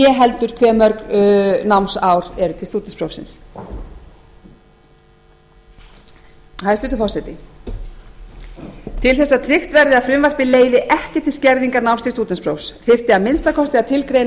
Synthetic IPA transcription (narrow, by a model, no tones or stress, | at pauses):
jɛɦɛlt̪ʏɾ̥kʰvɛːmœɾknawmnsawɾ̥ɛɾʏt̪ʰɪlst̪uːt̪ɪnspɾowsɪ̰ns | haðɛst̪ʏːt̪ʏfɔr̥sɛt̪ɪ | t̪ʰɪlθɛsːat̪ʰɾɪxt̪vɛɾðɪaðfɾʏmvar̥pɪleːjðɪʔɛhcɪt̪ʰɪlscɛɾðiŋkanawmst̪ʰɪlst̪uːt̪ɪnspɾowfsθɪr̥t̪ɪamɪnst̪akʰɔst̪ɪaðt̪ʰɪlkɾeːjn